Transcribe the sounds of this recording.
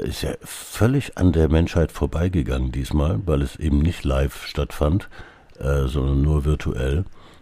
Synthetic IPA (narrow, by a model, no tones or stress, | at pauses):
ʔɪ̰stja̰ːfœlɪçʔa̰ndeːɐmɛnʃhaɪtfoːɐbaɪɡəɡaŋəndiːsmaːlvaɪlɛsʔḛːbm̩nɪçtlaɪfʃtatfant | ʔɛːzɔndɐnːuːɐvɪɐtʰṵʔɛ̰l